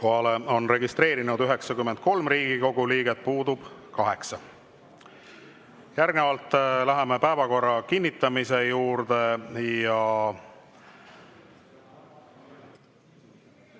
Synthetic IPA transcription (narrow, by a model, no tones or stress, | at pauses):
koɦɑleo̞nre̞ɡist̪ɾe̞ːɾinud̪yɦe̞ksɑkymːent̪̚ko̞lmriːɡ̥iko̞ɡ̥uliːɡe̞t̪̚puːd̪ub̥kɑɦe̞ksɑ | jærɡnevɑlt̪ːˑlæɦeme̞pæevɑko̞rːɑkinʲːit̪ːˑɑmise̞juːɾd̪e̞jɑ